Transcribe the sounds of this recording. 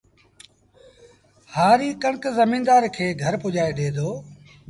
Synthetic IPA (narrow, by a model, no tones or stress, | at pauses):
haːɾiːkəɳkzəmĩːnd̪aːɾkʰeːɡʱəɾpʊʄaːeɗeːd̪oː